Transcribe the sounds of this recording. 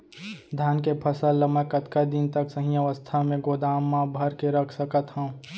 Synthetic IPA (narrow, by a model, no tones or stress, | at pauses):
d̪ʱjaːnkepʰəsəlːəməkət̪kad̪ɪnt̪əksəɦĩɐʋəst̪ʰamẽɡoːd̪aːmːãbʱəɾkeɾəkʰsəkət̪ɦə̃ũ